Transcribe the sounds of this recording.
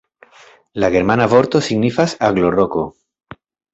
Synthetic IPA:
laɣeɾmanaβoɾt̪osiɣnifasaɣloroko

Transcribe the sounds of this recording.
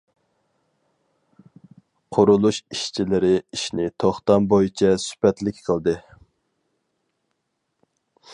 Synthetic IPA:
qʰʊɾulˠuʃiʃt͡ʃʰilɪɾɪiʃnɪt̪ʰoχt̪ɑmbojit͡ʃʰɛsy̥pɛt̪lɪkʲqʰəlˠd̪ɨ

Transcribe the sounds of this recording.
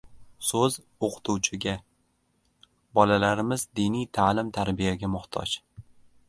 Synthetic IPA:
sɵz | oqʰɨ̥t̪ʰuwt͡ʃʰɪɡʲa | bɒlalaɾɪmɪzd̪inijt̪ʰaːlɪmt̪ʰaɾbijaɡʲamʊht̪ʰɒ̰d͡ʒ

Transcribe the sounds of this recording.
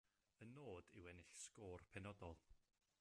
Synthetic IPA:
ənoːd̥ɪwɛnɪɬskoːrpʰɛnɔdɔlˠ

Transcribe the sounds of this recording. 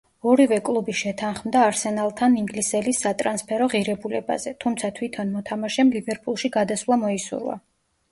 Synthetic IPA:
ɔɾivɛkʼlˠubiʃɛt̪ʰanχmd̪aːɾsɛnalˠt̪ʰaniŋɡlisɛlisːat̪ʼɾanspʰɛɾɔʁiɾɛbulɛba̰zɛt̪ʰumt̪sʰat̪ʰwit̪ʰɔnmɔt̪ʰamaʃɛmlivɛɾpʼulˠʃiɡad̪aslˠamɔisṵɾwa̰

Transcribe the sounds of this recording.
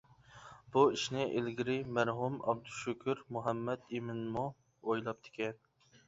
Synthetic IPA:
b̥uiʃnɪʔelɡʲiɾɪmæɾɦumɑ̰b̚d̪uʃukʲʰyɾmuɦɛmːɛd̪imɪnmu | ojlˠɑp̚t̪ʰɪ̥kʲʰɛn

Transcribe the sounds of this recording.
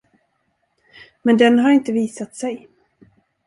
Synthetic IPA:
mɛnd̪ɛnɦaɾɪnt̪əviːsat̪sɛj

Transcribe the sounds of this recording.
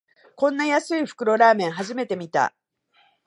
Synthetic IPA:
kõ̞nːajasɨiɸɯ̟̥kɯ̟ɾo̞ɾaːmẽ̞ɰ̃ɦaʑime̞t̪e̞mʲit̪a̰

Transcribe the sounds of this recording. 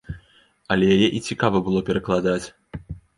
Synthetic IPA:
ɐlʲɛjajɛʔit͡sʲikavɐbɨlˠɔpʲɛɾɐklˠad̪at͡sʲ

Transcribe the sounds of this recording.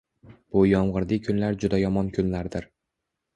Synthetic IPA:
b̥ʊjɒmʁɨɾd̪ɪkʰʊnlaɾd͡ʒʊd̪ajɒmɒnkʰʊnlaɾd̪ɪɾ

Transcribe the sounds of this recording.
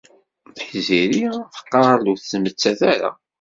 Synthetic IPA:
θħziɾiθə̥qːɑɾˤluθːmət͡sːæθæɾa̰

